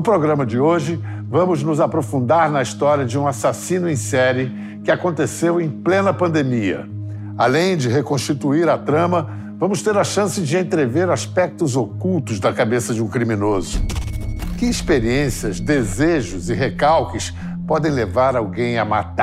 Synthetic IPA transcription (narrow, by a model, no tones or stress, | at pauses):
nʊpɾoɡɾɐ̃mɐd͡ʒɪoʒɪ | vɐ̃mʊznʊzapɾofũnd̪aɾnɐist̪ɔɾjɐd͡ʒɪũasasĩnʊẽj̃sɛɾɪ | kɪakõnt̪esewẽj̃plẽnɐpɐ̃nd̪emiɐ̰ | alẽj̃d͡ʒɪɦekõʃt͡ʃit̪uiɾɐt̪ɾɐ̃mɐ | vɐ̃mʊst̪eɾɐʃɐ̃sɪd͡ʒɪẽt̪ɾeveɾaspɛk̚t̪ʊzokuwt̪ʊzd̪ɐkabesɐd͡ʒɪũkɾimĩnozʊ̰ | kɪispeɾiẽsiɐzd̪ezeʒʊzɪɦekawkɪs | pɔd̪ẽj̃levaɾawɡẽj̃ɐma̰t̪a